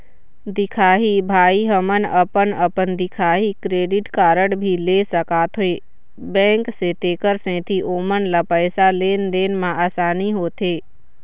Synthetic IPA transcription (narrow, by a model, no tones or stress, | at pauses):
d̪ɪkʰaːɦibʱaːiɦəmənəpənəpənd̪ɪkʰaːɦikɾeːɖɪʈkaːɾəɽbʱileːsəkaːt̪ʰɦoe | bɛ̃ːŋkset̪eːkəɾsɛ̃ːt̪ʰiʔoːmənlapəɪsaleːnd̪eːnmãaːsaːniɦoːt̪ʰeː